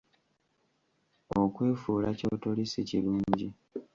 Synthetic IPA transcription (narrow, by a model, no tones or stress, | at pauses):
okwe̞ːfuːlaco̞ːtolisiciluːɲɟi